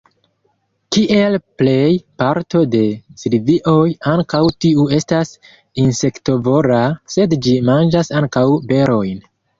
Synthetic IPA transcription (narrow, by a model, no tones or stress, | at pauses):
kiʔe̞lple̞jpaɾto̞de̞silviʔo̞jaŋkawtiue̞stas | inse̞kto̞vo̞ɾase̞dd͡ʒimand͡ʒasaŋkawbe̞ɾo̞jn